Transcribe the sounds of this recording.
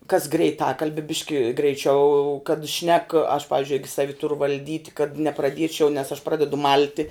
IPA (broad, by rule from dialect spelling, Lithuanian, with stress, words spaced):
kɐs ɡrʲɛɪˈtɑːkɐlʲbʲɛ ˈbʲɪʃʲkʲɪ ɡrʲɛɪˈt͡ʃʲɛʊ kɐt ʃʲnʲɛk ɐʃ ˈpɑːʋʲɪzʲd͡ʒʲʊɪ ˈɪɡʲɪ ˈsɑːʋʲɪ ˈtʊrʊ ʋɐlʲˈdʲiːtʲ kɐt nʲɛprɐˈdʲiɛt͡ʃʲɛʊ nʲɛs ɐʃ ˈprɑːdʲɛdʊ ˈmɐlʲtʲɪ